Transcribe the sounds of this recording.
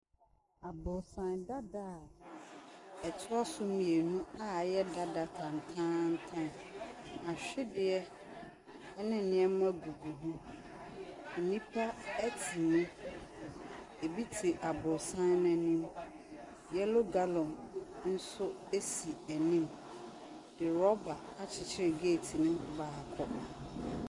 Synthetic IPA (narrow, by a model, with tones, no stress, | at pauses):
a˨bʊ˨sã˨nda˦da˦˨ | ɛ˨tʰʊ˦a˦sʊ˦mĩ˨e˨nũ˦a˦jɛ˦da˦da˨tʰã˨n̩˨tʰãː˦n̩˦tʰã˦n | a˨ɕᶣɪ˦dɪ˦ɛ˦ | ɛ˦nɪ̃˨nɪ̃˦ɛ˦mʊ̃˦ɛ˦ɡu˨bu˨ɦũ˦ | ɛ˨nĩ˦pʰa˦æ˦tʰi˨nʊ̃˦ | e˨bi˦tʰi˨ʔa˨bʊ˨ɾsã˦n˦nã˨nĩ˦m | jɛ˦lʊ˦ɡa˦lɔ̃˨mn̩˦sʊ˦e˦si˨æ˨nĩ˦m | dɪ˨ɾɔ˦ba˨a˦t͡ɕʰɪ˨t͡ɕʰɪ˦ɾɪ˨ɡe˦˨tʰi˨nʊ̃˦baː˨kʰɔ˦